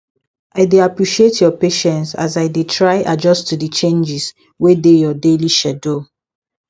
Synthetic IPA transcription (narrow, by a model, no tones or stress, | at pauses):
aɪdeapɹiʃietʰjɔpeʃɛ̃nsa̰zaɪdetʰɹaɪʔad͡ʒɔstːudət͡ʃẽnd͡ʒis | wedejɔdeliʃɛdo